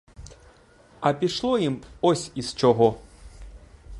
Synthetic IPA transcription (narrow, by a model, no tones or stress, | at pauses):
ɐpʲiʂlˠɔjimɔsʲist͡ʃɔɣɔ